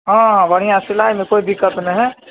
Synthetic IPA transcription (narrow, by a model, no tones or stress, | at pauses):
ɦãɦãbəɽ̤ijãsɪlaːjmẽkoːid̪ɪkət̪nəɦɛ